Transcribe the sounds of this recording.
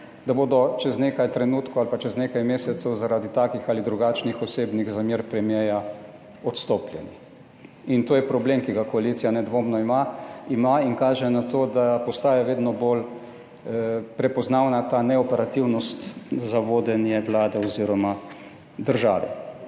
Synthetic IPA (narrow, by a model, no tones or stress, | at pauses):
d̪aboːd̪ɔt͡ʃɛzneːkajt̪ɾɛnuːt̪kɔalpat͡ʃɛznekajmeːsɛt̪sɛwzaɾaːd̪it̪aːkixalid̪ɾuɡaːt͡ʃnixɔseːbniɣzamjeːɾpɾɛmjɛja | ɔt̪st̪oːplʲjɛni | int̪oːjɛpɾɔbleːmkiɡakɔalit̪sijanɛd̪ʋoːmnɔimaimainkaːʒɛnat̪oːd̪apɔst̪aːjɛʋeːd̪nɔbol | pɾɛpɔznawnat̪aːnɛɔpɛɾat̪iwnɔst̪zaʋoːd̪ɛnjɛʋlaːd̪ɛɔziɾɔma | d̪əɾʒa̰ːʋɛ̰